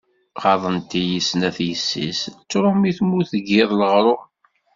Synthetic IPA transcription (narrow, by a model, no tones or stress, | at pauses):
ʁɑðˤənt̪ijəsnæθjəsːḭst͡sːɾʊmiθmuθəɡɪðˤləʁɾˤʊ